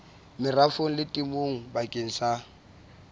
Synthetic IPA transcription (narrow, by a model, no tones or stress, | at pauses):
mɪrafoŋ̩lɪtʼimoŋ̩bakʼeŋ̩sa